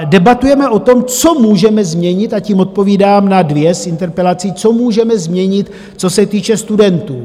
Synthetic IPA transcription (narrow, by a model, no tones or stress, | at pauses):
dɛbat̪ujɛmɛʔo̞t̪o̞mt͡so̞muːʒɛmɛzmɲɛɲɪt̪aciːmʔo̞t̪̚po̞viːdaːmnadvjɛsʔɪnt̪ɛɾpɛlat͡siːt͡so̞muːʒɛmɛzmɲɛɲɪt̪ | t͡so̞sɛt̪iːt͡ʃɛst̪udɛnt̪uː